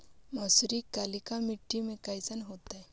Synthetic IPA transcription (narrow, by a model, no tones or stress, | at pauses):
mɐsuɾikalikamɪʈːimẽkajsənɦoːt̪aɦɛ